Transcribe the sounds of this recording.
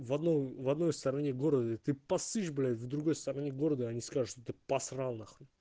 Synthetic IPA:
vɐd̪nojvɐd̪no̞jst̪ɐɾɐnʲeɡo̞ɾəd̪ət̪ɨpɐsɨʃblʲavd̪ɾuɡo̞jst̪ɐɾɐnʲeɡo̞ɾəd̪əɐnʲiskaʐɨʂt̪ot̪ɨpɐsralˠnax

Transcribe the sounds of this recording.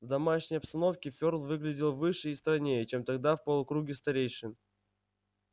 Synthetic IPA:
vd̪ɐmaʂnʲəjɐpst̪ɐno̞fkʲɪfʲo̞rlˠvɨɡlʲɪdʲɪlˠvɨʂɨist̪ɾɐnʲejət͡ɕe̞mt̪ɐɡ̚d̪afpəlˠʊkɾuɡʲɪst̪ɐɾʲejʂɨm

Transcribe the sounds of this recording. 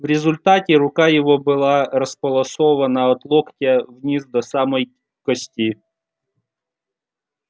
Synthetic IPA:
vɾʲɪzʊlʲt̪atʲɪɾʊkajɪvobɨlˠaɾɐspɐlˠɐsovɐnəɐt̪lˠoktʲəvnʲizd̪ɐsaməj | kɐsʲtʲi

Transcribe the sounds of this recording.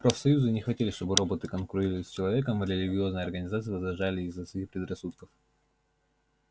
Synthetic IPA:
pɾofsɐjuzɨnʲɪxvɐtʲelʲɪʂt̪o̞bɨɾo̞bət̪ɨkənkɾʊɾʲilʲlʲɪsʲt͡ɕɪlˠɐvʲe̞kəmɾʲɪlʲɪɡʲɪo̞znəjɐrɡənʲɪzat̪sɨjɪvəzɾɐʐalʲɪːzːɐsʲɪɪpɾʲɪd̪rɐsut̪kəf

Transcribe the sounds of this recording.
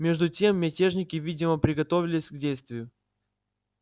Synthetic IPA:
mʲe̞ʐd̪ʊtʲe̞mːʲɪtʲe̞ʐnʲɪkʲɪvʲidʲɪməpɾʲɪɡɐt̪ovʲɪlʲɪsʲɡdʲejst̪vʲɪjʊ

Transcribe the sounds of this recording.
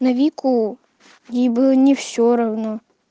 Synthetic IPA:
nɐvʲikʊ | jibɨnʲɪfsʲoɾɐvno

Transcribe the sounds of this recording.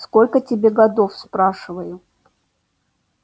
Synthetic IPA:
skolʲkətʲɪbʲeɡɐd̪o̞fspɾaʂɨvəjʊ

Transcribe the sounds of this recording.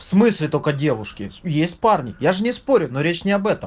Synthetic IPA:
fsmɨsʲlʲɪt̪okɐdʲe̞ʋʊʂkʲɪ̰jesʲt̚ʲparnʲɪjaʐɨnʲɪspo̞ɾʲʊnoɾʲet͡ɕnʲɪɐbɛt̪əm

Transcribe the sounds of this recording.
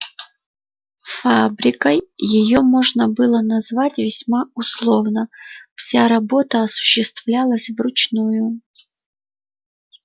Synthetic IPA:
fabɾʲɪkəjːɪjo̞mo̞ʐnəbɨlˠənɐzvatʲvʲɪsʲmaʊslˠovnəfsʲaɾɐbo̞t̪əɐsʊ̥ɕːɪst̪vlʲalˠəsʲvrʊt͡ɕnujʊ

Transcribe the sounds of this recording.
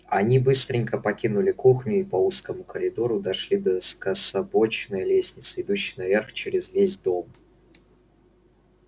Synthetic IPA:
ɐnʲibɨst̪ɾʲɪŋʲkəpɐkʲinʊlʲɪkuxnʲʊipɐuskəmʊkəɾʲɪd̪o̞ɾʊd̪ɐʂlʲid̪əskəsɐbo̞t͡ɕnəjəlʲesʲnʲɪt̪səɪd̪uɕːɪjnɐvʲe̞rxt͡ɕɪɾʲɪzvʲezʲd̪o̞m

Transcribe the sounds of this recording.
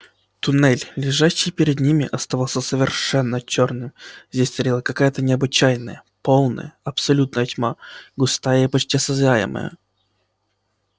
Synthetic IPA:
t̪ʊnɛlʲlʲɪʐaɕːɪjpʲɪɾʲɪd̪nʲimʲɪʔɐst̪ɐvalˠsʲəsəvʲɪrʂɛnːət͡ɕornɨmvzʲdʲesʲt̪ɐɾʲilˠəkɐkajət̪ənʲɪɐbɨt͡ɕæjnə̰jə | polˠnə̰jəɐpsɐlʲut̪̚nəjətʲmaɡʊst̪ajəipɐt͡ɕʲtʲɪɐsɐzʲajɪ̰mə̰jə̰

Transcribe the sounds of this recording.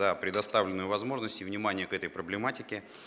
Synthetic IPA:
əpɾʲɪd̪ɐst̪avlʲɪnːʊjʊvɐzmo̞ʐnəsʲtʲɪvnʲɪmanʲɪjəkɛt̪əjpɾəblʲɪmatʲɪkʲɪ

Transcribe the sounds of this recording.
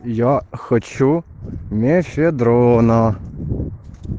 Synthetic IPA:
jaxɐt͡ɕumʲefʲed̪ɾona

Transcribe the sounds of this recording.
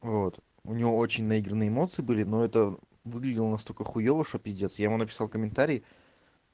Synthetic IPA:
vo̞t̪ | ʊnʲɪvo̞ot͡ɕɪnʲnɐiɡɾənɨjəːmo̞t̪sɨbɨlʲɪno̞ɛt̪ə | vɨɡlʲɪdʲɪlˠənɐst̪olʲkəxʊjovəʂəpʲɪzʲdʲet̪sjaɪmunəpʲɪ̥salˠkəmʲɪnt̪aɾʲɪː

